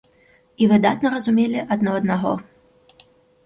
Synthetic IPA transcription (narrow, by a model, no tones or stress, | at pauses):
ivɨd̪at̪nɐɾɐzumʲelʲiʔɐd̪nɔɐd̪naɣɔ̰